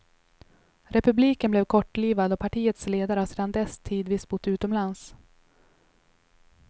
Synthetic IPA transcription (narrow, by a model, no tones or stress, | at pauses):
ɾɛpɵbliːkənblɛvkʰɔʈːliːvad̪ɔpʰaʈiːət̪sleːd̪aɾəavseːd̪and̪ɛst̪ʰiːd̪viːsbʊt̪ːʉ̟ːt̪ɔmlans